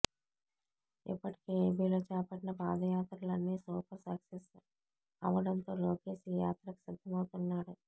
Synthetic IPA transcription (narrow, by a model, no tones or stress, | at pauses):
ḭpːɐʈi̥keːbilo̞ːt͡ʃɛːpɐʈinɐpaːd̪ɐjaːt̪ɾɐlɐnːiːsuːpɐɾsɐkses | ɐ̰ʋɐɽɐnt̪o̞ːlo̞ːke̞ːʃijaːt̪ɾɐku̥sid̪ʱːɐmɐwut̪unːaːɾu